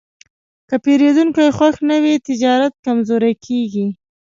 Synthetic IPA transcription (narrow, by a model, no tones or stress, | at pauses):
kəpeɾed̪uŋkajxwaxnəwet̪ɪd͡ʒɑɾat̪̚kamzoɾakʰeɡi